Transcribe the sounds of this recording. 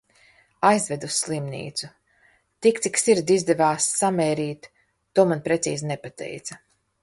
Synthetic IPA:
ajzvɛd̪usːlˠimnʲḭːt̪su | t̪ikt̪iksiɾd̪izd̪ɛvaːsːamɛːɾiːt̪ː | uɔmanpɾɛt̪siːznɛpat̪ɛ̰jt̪sɐ

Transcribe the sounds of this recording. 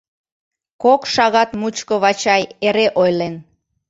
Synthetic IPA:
kokʃɑɣɑt̪mut͡ɕkəβɑt͡ɕɑjeɾeʔojlen

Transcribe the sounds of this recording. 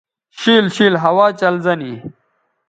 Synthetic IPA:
ɕiːlɕiːlɦɐwaːt͡ɕɐlzɐni

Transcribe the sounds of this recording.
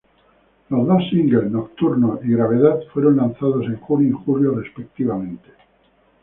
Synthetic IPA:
lozmasiŋɡelnok̚t̪uɾnoiɣɾaβ̞e̞ðaðfwe̞ɾonlanθað̞o̞se̞ŋxunjoixuljore̞spe̞k̚t̪iβamẽ̞nt̪e̥

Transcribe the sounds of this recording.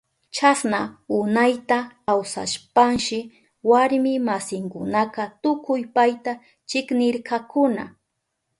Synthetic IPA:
t͡ʃasnaʊnajt̪akawsa̰ʃpaŋʃɪ | waɾmɪmasɪŋkʊnaqat̪ʊkʊjpajt̪a | t͡ʃɪknɪɾkʰɑkʊna̰

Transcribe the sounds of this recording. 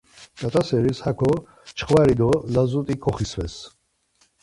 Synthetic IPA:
t͡ʃʼat̪ʼasɛɾishakʰɔ | t͡ʃʰχvaɾid̪ɔlazut̪ʼikʰɔχisvɛs

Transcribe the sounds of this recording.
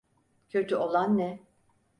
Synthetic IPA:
cʰøt̪ʰyolˠanːɛ

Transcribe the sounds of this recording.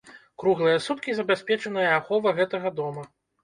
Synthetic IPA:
kɾuɣlˠɨjɐsut̪kʲizɐbʲasʲpʲɛt͡ʂɐnɨjɐaxɔvɐɣɛt̪ɐɣɐd̪ɔmɐ

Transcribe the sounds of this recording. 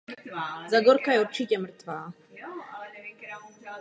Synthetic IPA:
zaɡoɾkajɛuɾt͡ʃɪcɛmr̩t̪vaː

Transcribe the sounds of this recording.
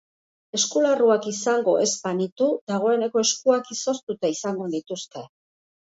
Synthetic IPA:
e̞skularuakisaŋɡo̞̰ʔe̞zbanit̪ud̪aɣ̞o̞e̞ne̞ko̞e̞skuakiso̞st̪ut̪aisaŋɡo̞nit̪uske̞

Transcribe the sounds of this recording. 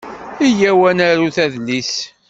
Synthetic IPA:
ijæwænæɾuθæðlːis

